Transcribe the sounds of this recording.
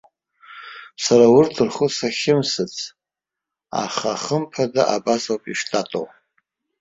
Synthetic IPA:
saɾawʊrtʰɨrχʊsaχʲɪmsɨt͡sʰ | a̰χaχəmpʰadaʔabasawpʼiʂtʼatʼow

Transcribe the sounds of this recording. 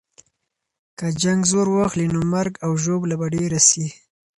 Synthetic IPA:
kad͡ʒaŋɡzoɾwaxlinomaɾɡawʒoblabaɖeɾasi

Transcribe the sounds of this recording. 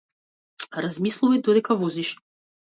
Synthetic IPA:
ɾazmislˠuvad̪ɔd̪ɛkavɔziʃ

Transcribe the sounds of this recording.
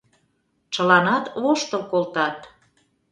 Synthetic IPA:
t͡ʃəlɑnɑt̪βoʃt̪əlkolt̪ɑt̪

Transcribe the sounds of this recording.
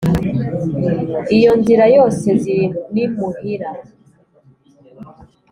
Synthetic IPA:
ijo̞nziɾajo̞ːse̞zinunimuhiɾa

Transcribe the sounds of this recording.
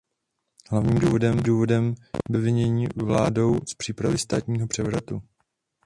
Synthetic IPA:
ɦlavɲiːmduːvo̞dɛmduːvo̞dɛmbɛvɪɲɛɲiːvla̰ːdo̞wspr̝̥iːpɾavɪst̪aːt̪ɲiːɦopr̥ɛvɾat̪u

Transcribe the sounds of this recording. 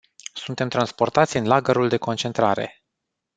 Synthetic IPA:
sunt̪e̞mt̪ɾanspo̞rt̪at̪sʲɨnlaɡəɾuld̪e̞ko̞nt͡ʃe̞nt̪ɾaɾe̞̰

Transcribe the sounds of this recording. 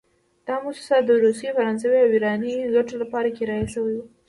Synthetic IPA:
d̪̥ɑmʊsu̥sad̪əɾusjefaɾɑnsəwiawiɾɑniɡaʈolapɑɾakeɾɑjasəwajwu

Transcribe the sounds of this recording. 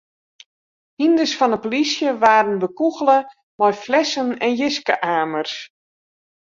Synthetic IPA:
hindəsfɔnəpolisjəʋaːɾənbəkuɣələ | mɔjflɛsənɛnjɪskəʔaːmərs

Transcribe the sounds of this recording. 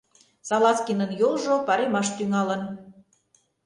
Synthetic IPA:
sɑlɑt͡skinənjolʒopɑɾemɑʃt̪yŋɑlə̆n

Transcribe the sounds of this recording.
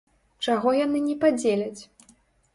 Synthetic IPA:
t͡ʂaɣɔjanɨnʲɛpad͡zʲelʲɐt͡sʲ

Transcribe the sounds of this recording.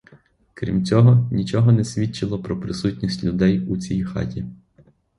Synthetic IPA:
kɾʲḭmt͡sʲɔɦɔnʲit͡ʃɔɦɔnɛsʲʋʲit͡ʃɪlˠɔpɾɔpɾɪsutʲnʲisʲtʲlʲʊd̪ɛjut͡sʲijxɑ̰tʲi

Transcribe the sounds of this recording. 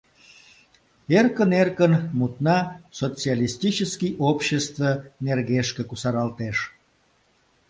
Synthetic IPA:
erkənerkənmut̪nɑsot͡sialʲist̪ʲit͡ɕəskijʔopɕest̪vənerɣeʃkĕkusɑɾɑlt̪eʃ

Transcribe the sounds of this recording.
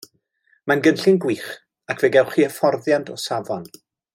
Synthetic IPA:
manɡənɬɪnɡwiːχ | akʰvɛːɡɛwχiːəfɔrðjandʰɔsavɔn

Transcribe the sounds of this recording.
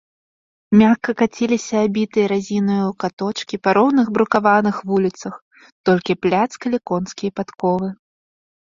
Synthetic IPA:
mʲakːɐkat͡sʲilʲisʲɐːbʲit̪ɨjɐɾazʲinɨjuwkat̪ɔt͡ʂkʲipɐɾɔwnɨɣbɾukavanɨxvulʲit̪sɐx | t̪ɔlʲkʲiplʲat̪skɐlʲɛkɔnskʲijɐpat̪kɔvɨ

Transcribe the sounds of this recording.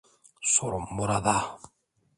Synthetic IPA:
soɾomːoɾad̪a

